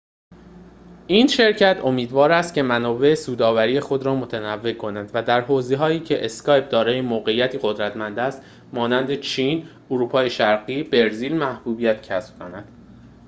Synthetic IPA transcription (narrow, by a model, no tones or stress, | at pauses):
ʔiːnʃe̞ɾcʰæt̪ʰo̞miːd̪vɒːɾæst̪̚cʰe̞mænɒːbe̞esuːd̪ɒːvæɾiːje̞xo̞d̪ɾɒːmo̞t̪ʰænævːe̞kʰo̞nænd̪væd̪æɾɦoːzeɦɒːiːcʰe̞ʔeskʰɒːjp̚d̪ɒːɾɒːjemoːɣe̞ijæt̪ʰiːɣo̞d̪ɾæt̪mænd̪æst̪ | mɒːnænd̪e̞t͡ʃʰiːn | uɾuːpʰɒːjeʃæɾɢiːbe̞ɾziːlmæhbuːbijæt̪cʰæsb̥̚kʰonæd̪̥